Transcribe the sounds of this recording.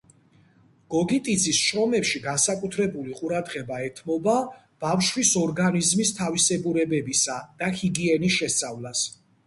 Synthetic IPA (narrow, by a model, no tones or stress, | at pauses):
ɡ̥ɔɡit̪ʼid̪zisʃɾɔmɛpʃiɡansakʼut̪ʰɾɛbuliqʼuɾad̪ʁɛbaɛt̪ʰmɔba | b̥afʃwisɔɾɡanizmist̪ʰavisɛbuɾɛbɛbisad̪̥ahiɡiɛnisʃɛst̪sʼavlas